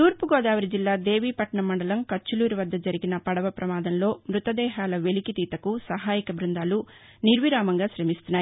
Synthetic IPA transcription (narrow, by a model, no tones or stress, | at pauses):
t̪uːɾpuɡɔːd̪aːʋɐɾid͡ʒilːaːd̪e̞ːʋiːpɐʈɐɳɐmɐɳɖɐlɐmkɐt͡ʃːuluːɾiʋɐd̪ːɐd͡ʒɐɾiɡinɐpɐɽɐʋɐpɾɐmaːd̪ɐnlo̞ːmɾut̪ɐd̪ɛːɦaːlɐʋe̞likit̪iːt̪ɐkusɐɦaːjikɐbɾund̪aːlu | niɾʋiɾaːmɐŋɡaːʃɾɐmist̪unːaːjii